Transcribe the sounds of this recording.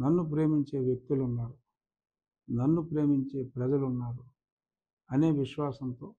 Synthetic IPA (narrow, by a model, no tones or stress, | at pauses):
nɐnːup̬ɾe̞ːmiɲt͡ʃe̞ːʋjek̚t̪ulunːaːɾu | nɐnːupɾe̞ːmiɲt͡ʃe̞ːpɾɐd͡ʒɐlunːaːɾu | ɐne̞ːʋiʃʋaːsɐnt̪o̞ː